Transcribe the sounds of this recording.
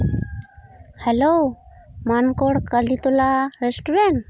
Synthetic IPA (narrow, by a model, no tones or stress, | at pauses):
helomankoɽkalit̪ulaɾesʈuɾen